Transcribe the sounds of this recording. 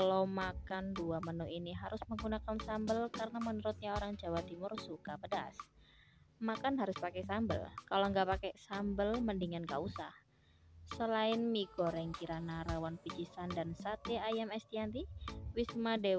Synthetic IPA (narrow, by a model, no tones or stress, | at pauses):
kalomakanduamənuʔiniɦaɾʊsməŋɡunakansambəlkarənamənuɾʊt̪̚ɲaoɾaŋd͡ʒawat̪imʊrsukapədas | makanɦaɾʊspakɛsambə̰lkaloŋɡaʔpakɛsambəlməndiŋankausah | səlaɪnmiɡ̥oɾɛŋkiɾanaɾawanpid͡ʒisandansat̪eajamɛst̪iant̪iwismadew